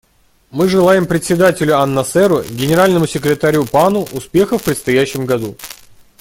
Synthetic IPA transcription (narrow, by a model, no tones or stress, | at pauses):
mɨʐɨlˠajɪmpɾʲɪt̪sʲɪd̪atʲɪlʲʊɐnːɐsɛɾʊɡʲɪnʲɪɾalʲnəmʊsʲɪkɾʲɪt̪aɾʲupanʊʔʊspʲe̞xəfpɾʲɪt̪st̪ɐjæɕːɪmɡɐd̪u